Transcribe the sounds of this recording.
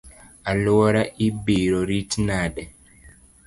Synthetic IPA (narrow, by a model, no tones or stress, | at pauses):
aloɔɾaʔibiɾɔɾitnadɛ